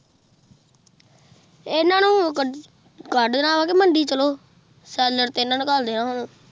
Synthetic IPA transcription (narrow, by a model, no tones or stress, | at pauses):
ɪnãːnũː | ɡəɖd̪ənaːʋaːkeməɳɖiːt͡ʃəloː | sɛːləɾt̪eːɪnãːnũːkəld̪eːnãːɦoːnõː